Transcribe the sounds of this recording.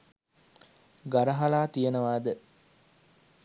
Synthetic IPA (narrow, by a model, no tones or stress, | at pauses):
ɡɐɾɐɦɐlaːt̪ijenəʋaːd̪ə